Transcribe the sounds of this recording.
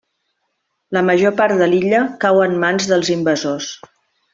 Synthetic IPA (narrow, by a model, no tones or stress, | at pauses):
ləməʒopaɾd̪əliʎəkawənmanzðəlˠzimbəzos